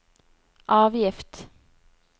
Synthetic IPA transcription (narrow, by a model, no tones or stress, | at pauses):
ʔɑːʋjɪft̪